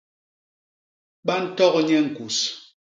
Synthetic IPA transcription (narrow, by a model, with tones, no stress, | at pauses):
ɓa˦n̩˦tɔ˦kɲɛ˦ŋ̩˨ku˨s